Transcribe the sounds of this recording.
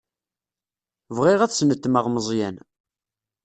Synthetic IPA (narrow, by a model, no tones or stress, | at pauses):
vʁɪʁæθsnət̪ːməʁməzˤjæn